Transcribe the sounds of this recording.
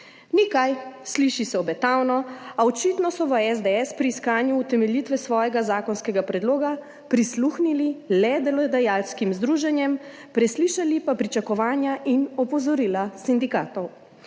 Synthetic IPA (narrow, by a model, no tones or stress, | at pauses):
nikajsliʃisɛɔbɛt̪awnɔaɔt͡ʃiːt̪nɔsɔʋəɛzd̪eɛspɾiːskaːnjuːt̪ɛmɛljiːt̪ʋɛsʋɔːjɛɡazaːkɔnskɛɡapɾɛd̪loːɡa | pɾisluxnililɛd̪ɛlɔd̪ɛjaːlskimzd̪ɾuːʒɛnjɛm | pɾɛsliʃalipapɾit͡ʃakɔʋaːnjaʔinɔpɔzɔɾiːlasind̪ikaːt̪ɔw